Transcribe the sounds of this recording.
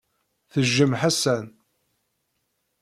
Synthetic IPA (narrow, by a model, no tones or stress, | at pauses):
θəʒːəmħasæn